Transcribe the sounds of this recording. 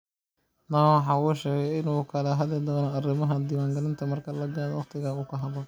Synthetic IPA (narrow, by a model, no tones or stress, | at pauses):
nɐwɑħɑːuːʃɛːɣɛjɪnuːkʰɐlɛɦɐðɛd̪ɔːnɐɐrɪmɐɦɐd̪iːwaːŋɡɐlɪnt̪ʰɐmɐrkʰɐlɐɡaːdwɑqt̪ʰɪɣɐuːkʰɐɦɐβɔ